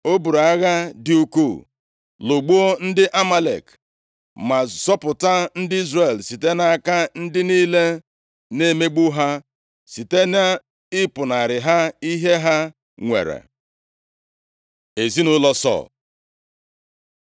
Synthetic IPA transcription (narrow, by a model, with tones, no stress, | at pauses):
o˦bu˨ɾa˦ɣa˦dɪ˦u˦ku˦˨ | lo˨ɡ͡bu˦o˦n̩˦dɪ˦ʔa˦ma˦lḛ˨k | ma˨zɔ˦pʊ˨ta˦n̩˦dɪ˦i˦zre˨lsi˨te˦na˦a˦ka˦n̩˦dɪ˦niː˦le˦ | ne˦me˦ɡ͡bu˦ɦa˦ | si˨te˦na˦ | ɪ˦pʊ˨na˨ɾɪ˨ɦa˦i˦ɦe˦ɦa˦ | ŋʷḛ˨ɾḛ˨ | e˨zi˦nʊ˦lɔ˦sɔ̰˦˨l